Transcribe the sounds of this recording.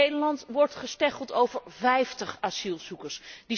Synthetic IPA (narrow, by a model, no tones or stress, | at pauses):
ejdəɹlɑntʋɔɹtχəstɛχəlˠtowvəɹvɛjftəχasilˠz̥ukəɹsdi